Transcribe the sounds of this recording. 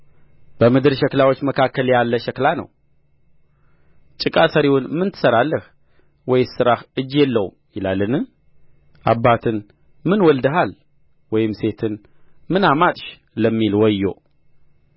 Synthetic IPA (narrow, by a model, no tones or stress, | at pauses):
b̥əmɨd̪ɨɾʃɛklawot͡ʃːməkʰakːəljalːəʃɛklanə̰w | t͡ʃʼɨkʼasəɾiwʊnmɨnt̪ʰɨ̥səɾalːəh | wɔjsɨɾahɨd͡ʒːjɛlːəwumjɪlalːɨnɨ | ʔa̰bːat̪ʰɨn | mɨnwɔld̪əɦal | wɔjɪmse̞t̪ʰɨn | mɨnamat̪ʼʃ | ləmːilwɔjːo̰